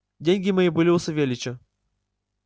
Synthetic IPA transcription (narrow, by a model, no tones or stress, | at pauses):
dʲenʲɡʲɪmɐjibɨlʲɪʊsɐvʲelʲɪt͡ɕə